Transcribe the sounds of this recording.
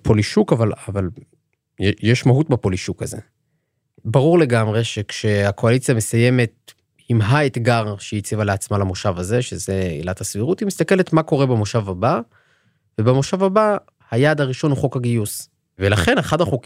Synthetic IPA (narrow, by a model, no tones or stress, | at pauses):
pʰoliʃukavalaval | jjeʃmaɦut̚bapo̞liʃukazḛ | baʁuʁle̞ɡamʁe̞ʃe̞kʃe̞akʰo̞alit͡sijame̞saje̞me̞t̚ | imɦaet̪ɡaʁʃeit͡sivaleat͡smalamoʃavaze̞ʃeze̞ḭlathasviʁutimistake̞le̞tmako̞ʁe̞bemoʃavaba | vebemoʃavaba | hajaːd̪aʁiʃo̞nuχo̞kaɡijus | velaχe̞neχadaχok